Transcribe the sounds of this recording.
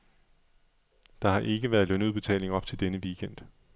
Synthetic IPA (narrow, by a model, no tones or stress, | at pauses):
d̥ɑ̈hɑ̈ʔe̝ɡ̥əʋæɐð̩ˠlønuðˠb̥e̝t͡sʰɛ̰ːle̝ŋɒ̽b̥̚t͡sʰe̝ld̥enəʋiːkʰen̰d̥